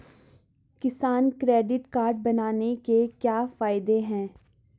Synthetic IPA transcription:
kɪsaːnkɾɛːɖɪʈkaːɾɖ̚bɐnaːnekekjaːfaːɪd̪eɦɛ̃ː

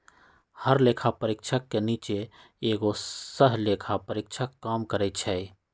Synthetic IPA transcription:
həɾleːkʰapəɾɪkʃʰəkːeniːt͡ʃe | eːɡosəɦleːkʰapəɾɪkt͡ʃʰəkːaːmkəɾɛt͡ʃʰɛi

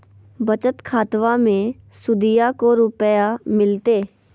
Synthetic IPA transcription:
bət͡ʃət̪kʰaːt̪ʋamẽ | sʊd̪ɪjakoɾʊpəjamɪlt̪eː

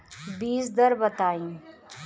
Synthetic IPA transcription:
biːsd̪ɐɾbɐt̪aːĩː

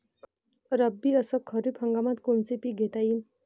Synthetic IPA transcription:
ɾʌbːiʌsʌkʰʌɾupʰʌŋɡamat̪kunt͡sipiɡʱet̪aim

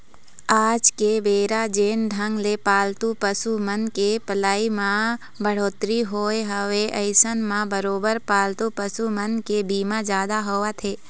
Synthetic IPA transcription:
aːd͡ʒkebeːɾad͡ʒeːnd̪ʱəŋɡlepaːlt̪upəsumənkepəlaːimã | bəɽ̤oːt̪ɾiɦoːeɦəʋeʔəɪsənmãbəɾoːbəɾpaːlt̪upəsumənkebiːmãd͡ʒaːd̪aɦoʋat̪ʰeː

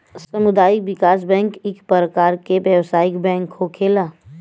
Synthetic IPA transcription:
sɐmʊd̪aːɪk̚ʋɪkaːs̬bɛ̃ːŋkɪkpɾəkaːɾkebjəʋsaːɪkbɛ̃ːŋkhokʰeːlaː

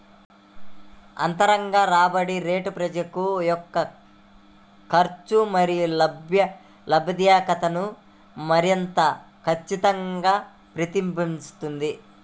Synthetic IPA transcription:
ɐ̰nt̪ɐɾɐŋɡaːɾaːbɐɽiɾe̞ːʈupɾɐd͡ʒɐkujɔkːɐ | kɐɾt͡ʃumɐɾijulɐbjɐ | lɐbʱɐd̪jaːkɐt̪ɐnu | mɐɾint̪ɐ | kʰɐt͡ʃːit̪ɐŋɡaː | pɾit̪imbimst̪und̪i

